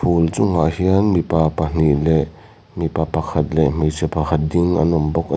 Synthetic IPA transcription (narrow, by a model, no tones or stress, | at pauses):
pʰult͡sʊŋa̰ʔhiɐnmipapɐn̥iʔlɛʔ | mipapɐkʰɐt̪̚lɛʔm̥ejt͡sɛpɐkʰɐt̪̚diŋʔɐ̰numbɔk̚ʔ